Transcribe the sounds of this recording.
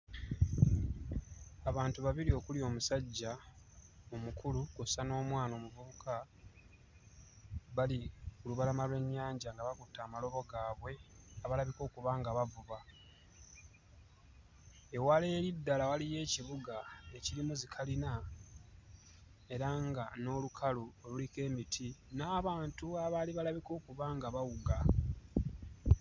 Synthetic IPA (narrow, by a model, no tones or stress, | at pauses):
aβaːntuβaβilio̞kulio̞ːmusaɟːa | omukʰulukusano̞ːmwaːno̞ːmuvuβukʰa | βalikuluβalamalwe̞ɲːaːɲɟaŋɡaβakutːaːmalo̞βo̞ɡaːβwe̞aβalaβiko̞ːkuβaŋɡaβavuβa | e̞wale̞ːɾidːalawalije̞ːciβuɡaecilimuzikʰalina | e̞ɾaŋɡano̞ːlukʰaloolulike̞ːmitʰinaːβaːntuaβaliβalaβiko̞ːkuβaŋɡaβawuɡa